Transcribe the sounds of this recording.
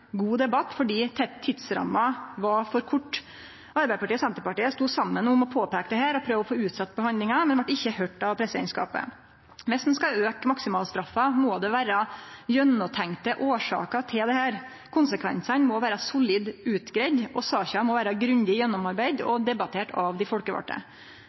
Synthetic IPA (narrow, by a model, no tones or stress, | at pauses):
ɡuːd̪ɛbɑt̪ːfɔɖiːt̪ʰɛt̪ʰːɪt̪sɾɑ̰mːɑʋɑfɔɾkʰʊʈː | ʔɑɾbæɪpɑʈiːɔsɛnt̪əɾpɑʈiːəst̪uːsɑmːənʊmɔpʰoːpæːkəd̪ɛɦæːɾɔpʰɾøːʋəɔfoːʉːt̪sɑt̪ːbəhɑnd̪lɪŋɑmɛnʋɑʈːɪçːəhœʈːɑʋpʰɾɛsːəɛɪnskɑ̰ːpə̰ | mɛsɛnskɑøːkmɑksɪmɑːlst̪ɾɑfːɑmɔːd̪ɛʋæːɾɑjœnːɔt̪ʰɛŋt̪əʔoːʂɑ̰ːkət̪ʰɪld̪ɛhæːɾ | kʰʊnsəkʰʋɛ̰nsənmɔʋæːɾɑsʊliːd̪ʉːt̪ɡɾed̪ʔɔsɑːçɑmɔʋæːɾɑɡɾʉnd̪ɪjɛnːɔmɑɾbæɪd̪ɔ̰d̪ɛbɑt̪ʰeːʈɑʋd̪ɪfɔlkəʋɑ̰ʈːə̰